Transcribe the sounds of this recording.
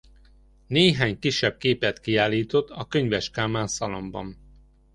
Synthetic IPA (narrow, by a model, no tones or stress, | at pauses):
neːɦaːɲkiʃːɛb̚keːpɛt̪kiaːlːiːt̪o̞t̪ʰːɒkøɲvɛʃkaːmaːnsɒlo̞mbɒ̰n